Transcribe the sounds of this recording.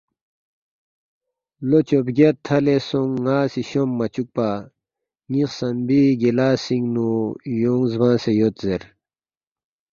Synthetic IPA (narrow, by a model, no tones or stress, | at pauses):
lot͡ɕopɡet̪ʰːɐlesoŋːaːsiɕomːɐt͡ɕuk̚pa | ŋiqsɐnbiɡelaːsiŋnujoːŋzbãːsejot̪zeɾ